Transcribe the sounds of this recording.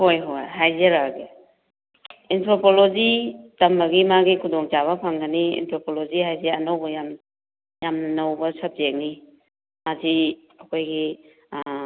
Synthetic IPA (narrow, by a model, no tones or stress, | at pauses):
hojɦojɦajzeɾaɡe | entʰɾopolozitɐmɐɡimaɡikʰudɔŋt͡ʃaβɐpʰaŋɡaniḛntʰɾopolozihajzeɐnawbɐjam | jamnɐnɐwbɐsɐp̚zek̚ni | mazi | ɐkʰojɡi